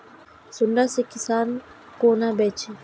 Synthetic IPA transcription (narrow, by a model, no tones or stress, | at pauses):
sunɖasikːisan | kunabɛt͡ʃi